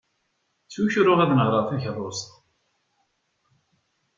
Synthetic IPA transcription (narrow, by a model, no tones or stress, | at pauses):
t͡sːuçɾʊʁæðnəʁɾˤɑˤθæçðˤost̪